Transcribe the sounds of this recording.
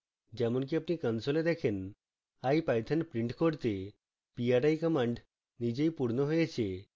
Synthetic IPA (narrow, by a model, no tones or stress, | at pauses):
d͡ʒɛmonk̬iapnikənsoled̪ɛkʰen | ajpajt̪ʰenpɾiɳʈkoɾt̪e | piaɾajkɔmaɳɖ | nid͡ʑejpuɾnoɦojet͡ɕʰe